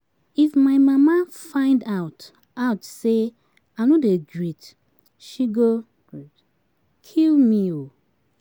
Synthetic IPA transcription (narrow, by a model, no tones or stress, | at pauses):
ifmaɪmamafãɪ̃ndaʊt | aʊtse | anodeɡɹit | ʃiɡo | kʰilmio